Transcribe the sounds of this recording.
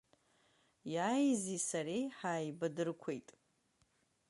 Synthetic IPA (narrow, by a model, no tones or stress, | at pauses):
jaːjzisaɾiħaːjbadɨrkʷʰejtʼ